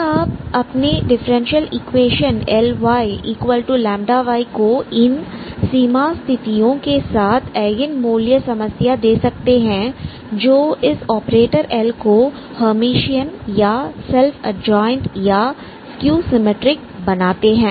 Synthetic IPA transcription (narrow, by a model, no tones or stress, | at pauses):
aːp̚ɐpneɖɪfəɾɛ̃nʃijəlikʋeːʃənɛlʋaːiiːkʋəlʈulɛ̃ːmɖaʋaːikoɪnsiːmast̪ʰɪt̪iõkesaːt̪ʰɛːɡɪnmoːljəsɐməsjad̪eːsɐk̚t̪eɦɛ̃ | d͡ʒoːɪsɔːpɾeːʈəɾʔɛːlko | həmiːʃijənjasɛlfʰɐ̰d͡ʒɔːɪ̃nʈja | skjuːsɪmeʈɾɪk̚ | bɐnaːt̪eɦɛ̃ː